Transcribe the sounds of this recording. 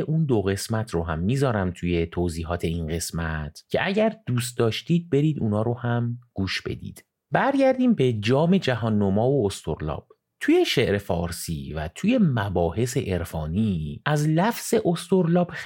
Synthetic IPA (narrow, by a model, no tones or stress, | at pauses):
ʔund̪oɣe̞smæt̪ʰɾoɦæmːiːzɒːɾæmt̪ʰuje̞t̪ʰoziːɦɒːt̪ʰe̞inɢe̞smæt̪ʰcʰe̞ʔæɟæɾd̪̥uːst̪̚d̪ɒːʃt̪iːd̪̚be̞ɾiːd̪uːnɒːɾohæmɡ̥uːʃb̥e̞̰d̪ḭːd̪̥ | bæɾɟæɾd̪iːmbe̞d͡ʒɒːme̞d͡ʒæɦɒːnːomɒːvoːst̪ʰoɾlɒ̰ːb̥ | t̪ʰuje̞ʃeʔɾe̞fɒ̰ːɾsḭːvæ̰t̪ʰuːje̞mæbɒːhe̞se̞ʔeɾfɒːniːæzlæfz̥e̞ʔost̪oɾlɒːb̥